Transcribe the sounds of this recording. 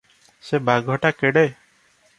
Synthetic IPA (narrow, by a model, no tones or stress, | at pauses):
sebʱaɡʱɔʈakeɽej